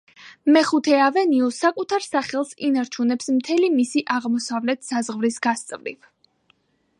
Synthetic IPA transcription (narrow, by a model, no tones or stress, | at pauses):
mɛχut̪ʰɛavɛniusakʼut̪ʰaɾsaχɛlˠsinaɾt͡ʃʰunɛpsmt̪ʰɛlimisiʔaʁmɔsavlɛt̪ʰsazʁvɾisɡ̥ast̪sʼvɾḭv